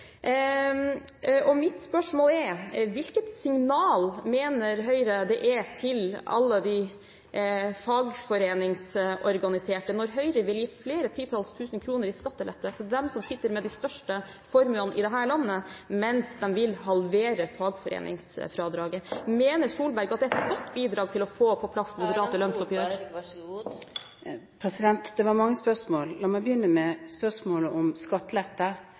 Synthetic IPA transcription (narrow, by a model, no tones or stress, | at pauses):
ʔɔmɪt̪spœʂmoːlɛɾʋɪlkət̪sɪŋnɑːlmeːnəɾɦœʏɾəd̪ɛʔɛt̪ʰɪlɑ̰lːəd̪ɪ | fɑːɡfɔɾeːnɪŋsʔɔɾɡɑnɪseːʈənɔɾɦœʏɾəʋɪljiːfleːɾət̪ʰiːt̪ʰɑlst̪ʰʉːsənkʰɾuːnəɾɪskɑt̪ːəlɛt̪ːət̪d̪ɛmsɔmsɪt̪ːəɾmɛd̪æɪst̪œʂʈəfɔɾmʉlɑnʔɪ̰d̪ɛɦæːɭɑnːəmɛnsd̪ɛmʋɪlɦɑlʋeːɾəfɑːɡfɔɾḛːnʔɪ̰ŋsfɾɑːd̪ɾɑːɡəmeːnəʂuːlbæɾɡɑt̪̚d̪ɛɛt̪ɡɔt̪ːbiːd̪ɾɑːɡt̪ʰɪlɔfoːpʰɔpʰlɑsmʊd̪əɾɑːt̪əlœnsɔpjøː | pʰɾɛsɪd̪ɛnt̪d̪ɛʋɑɾmɑŋːəspœʂmoːllɑːmɛɪbəjʏnːəmɛspœʂmoːləʔɔmskɑt̪ːlɛt̪ːə